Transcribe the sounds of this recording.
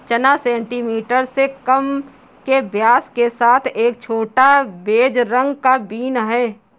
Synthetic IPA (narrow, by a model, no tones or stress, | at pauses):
t͡ʃənasɛ̃ːɳʈiːmiːʈəɾsekəm | kebjaːskesaːt̪ʰeːk̚t͡ʃʰoːʈabeːd͡ʒɾə̃ŋɡkabiːnɦɛː